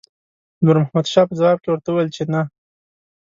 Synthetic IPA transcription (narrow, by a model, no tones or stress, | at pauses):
muɾmʊhmad̪ʃɑpəzawɑb̚kewəɾt̪auwajlt͡ʃena